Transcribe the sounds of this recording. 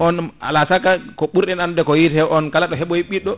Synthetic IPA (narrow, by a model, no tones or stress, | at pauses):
ɔna̰lasakakɔɓuɾɗɛnandɛkɔjitɛwʔɔnkalaɗɔɦɛɓɔjiɓiɗɔ